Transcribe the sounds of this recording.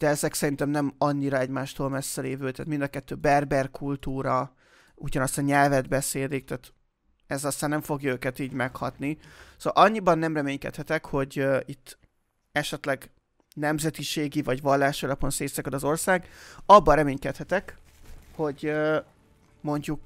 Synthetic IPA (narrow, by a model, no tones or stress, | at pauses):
d̪̥ɛɛzɛksɛɾint̪ɛmnɛmɒɲːiɾɒɛɟmaːʃt̪oːlmɛsːɛleːvøːt̪a̰ːt̪mind̪ɒkɛt̪ːøːbɛrbɛrkʰult̪uːɾɒ | uɟɒnɒst̪ɑɲɛlvɛd̪bɛseːlik̚t̪aːt̪ | ɛzɒst̪aːnːɛɱfo̞ɡjɒøːkɛt̪iːɟmɛkhɒ̰t̪nisolɒɲːibɒnːɛmrɛmeːɲkɛ̰t̪hɛt̪ɛkho̞ɟit̪ː | ɛʃɛt̪lɛɡ | nɛmzɛt̪iʃeːɡivɒɟvɒlːaːʃiɒlɒpo̞nseːsɛkɒd̪ɒzo̞rsaːɡɒbːɒɾɛmeːɲkɛt̪hɛt̪ɛk | ho̞ɟø | mo̞ɲɟuk